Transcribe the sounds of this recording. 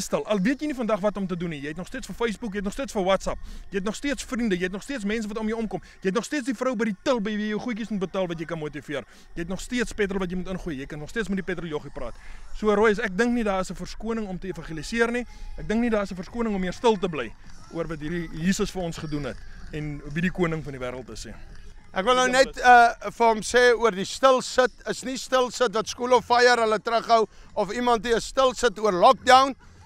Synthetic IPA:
stəlˠʔɐlˠviət̬jəjnifɐndɐχvɐtɔmt̬ədunːijəjɛtnɔχstiətsfəfejsbukjəɛt̬nɔχstiətsfəwɐtsɐp̚jəjɦɛt̬nɔχstiətsfrindəjəjɦɛtnɔχstiətsmɛns̬əvɐtɔmjəwɔmkɔmjəjɛt̬nɔχstiətsdifrəwbəjditəlˠbəjvijəwχujk̬ismut̚bətɑːlˠvɐt̬jəjkɐnmuətifiər | jəjɦɛtnɔχstiətspɛt̬rəlˠvɐt̬jəjmutənχuːəjjəjkənɔχstiəsmɛt̚dipɛtɾəljɔχiprɑ̰ːtsuəɾɔjəsæk̚dəŋknidɑːəsəfərskuənəŋɔmtəefɐnχilisiərniæk̚dəŋknidɑːəsəfərskuənəŋɔmːiərstəlˠtəblɛj | uərvɐtɦiɾijiːsəsfəɾɔnsχədunɦɛtɛnvidikuənəŋfɐndivæːɾəlˠtəsɛ̰ː | ʔækvəlˠnəwnɛtəfəɦəmseːuərdistəlˠsətəsnistəlˠsətvɐtskulɔfɐjərɦələtɾəχɦəwɔfimɐntdiəstəlˠsətuərlɔk̚dɐwn

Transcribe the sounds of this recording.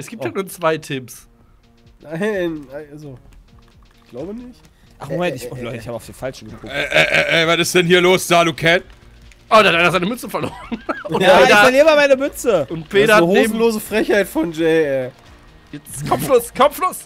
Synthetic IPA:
ɛsɡ̥iːpthat̚nuːɐt͡sv̥aɪtʰɪps | naɪnaʔalzo | ɡ̥laʊbənɪçt | ʔaχmomɛntɪçlɔʏtɪçaːbəʊfd̥ifalʃn̩ɡəkʊɛʔɛʔʔɛvatɪstd̥ɛnhiːɐloːsd̥aːduːkʰɛn | ʔodeːhatʔaɪnɐzaɪnəmʏt͡səfɛɐloːʁənʊnaedafɛɐliːʁəmaːmaɪnəmʏt͡səʊntpeːɾɐahoːzmn̩loːzəfʁ̥ɛçhaɪtfɔnd͡ʒɛɪɛː | jɛt͡skʰɔfloːskʰɔfloːs

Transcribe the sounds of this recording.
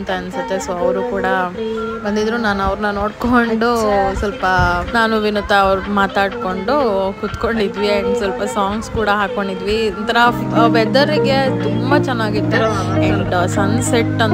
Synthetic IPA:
nt̪ɐɐnsut̪ːesoɐʋɾukuːɽɐbɐnd̪id̪ɾunaːnɐʋɾnɐno̞ːɽkoɳɖusɐlpɐnaːnuʋinut̪ːɐːʋɾumaːt̪aːɽko̞ɳɖukut̪ko̞ɳɖid̪ʋiɐɳɖsɐlpɐsaːŋɡskuːɽɐɦaːkoɳɖid̪ʋiɐnt̪ɐɾɐʋɛd̪ɐɾiɡe̞t̪umbɐt͡ʃɛnːaːɡit̪ːuɐɳɖsɐnseʈːɐn

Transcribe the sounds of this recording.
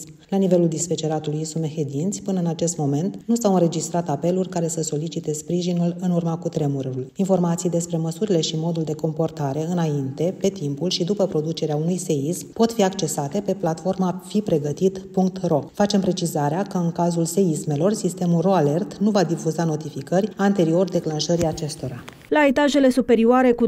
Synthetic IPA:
m | lanive̞luld̪isfet͡ʃe̞ɾat̪ulujisumehed̪int̪sʲpɨnəɨnat͡ʃe̞st̪mo̞me̞nt̪nusawɨnɾe̞d͡ʒist̪ɾat̪ape̞lurʲkaɾe̞səso̞lit͡ʃit̪e̞spɾiʒinulɨnurmakut̪ɾe̞muɾuulinfo̞rmat̪sijd̪e̞spɾe̞məsuɾile̞ʃimo̞d̪uld̪e̞ko̞mpo̞rt̪aɾe̞ɨnaint̪e̞pe̞t̪impulʃid̪upəpɾo̞d̪ut͡ʃe̞ɾeaunujse̞ismpo̞t̪fiakt͡ʃe̞sat̪e̞pe̞plat̪fo̞rmafipɾe̞ɡət̪it̪puŋk̚t̪ro̞fat͡ʃe̞mpɾe̞t͡ʃizaɾeakəɨŋkazulse̞isme̞lo̞rsist̪e̞mulro̞ale̞rt̪nuvad̪ifuzano̞t̪ifikərʲant̪e̞ɾio̞rd̪e̞klanʃəɾiat͡ʃe̞st̪o̞ɾa | laet̪aʒe̞le̞supe̞ɾioaɾe̞ku

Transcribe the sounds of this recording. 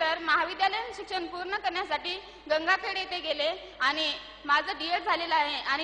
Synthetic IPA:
əɾməɦaʋid̪jaləjənɕukɕənpuːɾɳəkəɾɳjasaʈiː | ɡəŋɡakʰeɽet̪eɡele | aɽ̃i | mad͡zʱəɖieʈ̚d͡zʱaleləaɦeʔaɽ̃i

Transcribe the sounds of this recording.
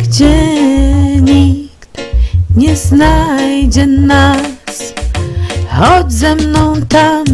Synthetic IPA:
ɡ̥d͡ʑɛ | ɲikt̪ɲɛznajd͡ʑɛnas | xɔd͡ʑzɛmnɔ̃w̃t̪a

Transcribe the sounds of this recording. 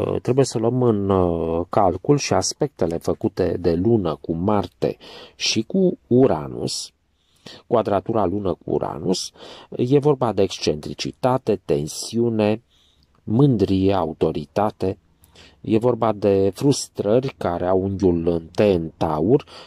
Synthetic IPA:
t̪ɾe̞buje̞səluəmɨnkalkulʃiaspe̞k̚t̪e̞le̞fəkut̪e̞̰d̪e̞lunəkumart̪e̞̰ʃikuːɾa̰nṵs | kuad̪ɾat̪uɾalunəkṵːɾa̰nusje̞vo̞rbad̪e̞ːkst͡ʃe̞nt̪ɾit͡ʃḭt̪at̪e̞t̪e̞nsiune̞ | mɨnd̪ɾijea̰ut̪o̞ɾit̪at̪e̞ | je̞vo̞rbad̪e̞fɾust̪ɾərʲkaɾeawuŋɡʲulɨnt̪eɨnt̪aurʲ

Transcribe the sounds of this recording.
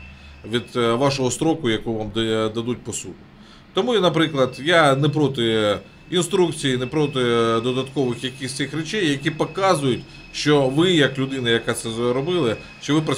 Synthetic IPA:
ʋʲid̪ʋɑʃɔɦɔst̪ɾɔkʊjɐkuʋamd̪ɐd̪ut̚ʲpɔsukʊ | t̪ɔmunɐpɾɪklˠɐd̪janɛp̬ɾɔt̪ɪ | inst̪ɾukt͡sʲijinɛpɾɔt̪̬ɪd̪ɔd̪ɐt̪kɔʋɪxjɐkʲisʲt̪sɪxɾɛt͡ʃɛjːɐkʲipɔkɑzʊjʊtʲ | ʃt͡ʃɔʋɪjɐklʲʊd̪ɪnɐjɐkat̪sɛɾɔbɪlˠɪ | ʃt͡ʃɔʋɪpɾɐ

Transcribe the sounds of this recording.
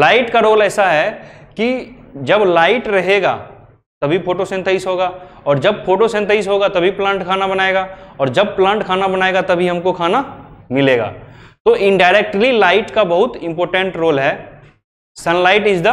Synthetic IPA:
laːɪʈkaɾoːlɛːsaɦɛkid͡ʒɐblaːɪʈɾɐɦeːɡa̰ː | t̪ɐbʱipʰoːʈosẽnt̪ʰəisɦoːɡaː | ɔːɾd͡ʒɐb̚fʰoːʈosẽnt̪əisɦoːɡat̪ɐbʱiplãːɳʈkʰaːnabɐnaːeːɡaːɔːɾd͡ʒɐb̚plãːɳʈkʰaːnabɐnaːeːɡat̪ɐbʱiɦɐmkokʰaːnamɪleːɡa̰ːt̪oʔɪ̃ɳɖaːɪɾɛk̚ʈlilaːɪʈkabɐɦʊt̪ɪ̃mpɔːɾʈə̃ɳʈɾoːlɦɛː | sɐnlaːɪʈɪsd̪ə

